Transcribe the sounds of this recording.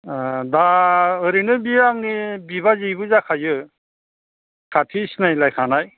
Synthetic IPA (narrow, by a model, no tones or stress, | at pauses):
daɯɾinɯbiaŋnibiβazijbɯzakʰajɯ | kʰatʰisnajlajkʰanaj